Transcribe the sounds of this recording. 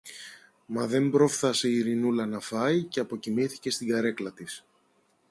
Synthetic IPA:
mɐðe̞mbɾo̞fθɐse̞iɾinulɐnɐfɐiceɐpo̞cimiθi̥ce̞st̪iɡɐɾe̞klɐt̪is

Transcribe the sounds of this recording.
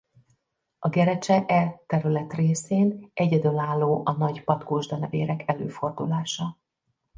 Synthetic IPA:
ɒɡɛɾɛt͡ʃɛʔɛt̪ɛɾylɛt̪reːseːnʔɛɟɛd̪ølaːlːoːʔɒnɒɟpɒt̪koːʒd̪ɒnɛveːɾɛkʰɛlø̰ːfo̞rd̪ulaːʃɒ

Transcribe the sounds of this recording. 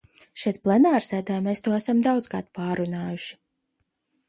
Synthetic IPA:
ʃɛjt̪̚plˠɛnaːɾsɛːd̪aːmeːst̪uɔæsamd̪awd̪ska̰ːt̪paːɾunaːjuʃi̥

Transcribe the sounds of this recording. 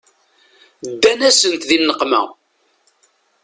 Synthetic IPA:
d̪ːænæsənt̪ðinːəqmæ̰

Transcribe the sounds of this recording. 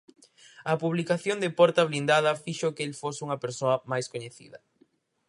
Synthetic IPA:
ɐpuβlikaθjond̪ɪpɔɾt̪ɐβlind̪aðɐfiʃokelfosuŋɐpeɾsoɐmajskoɲeθḭðɐ

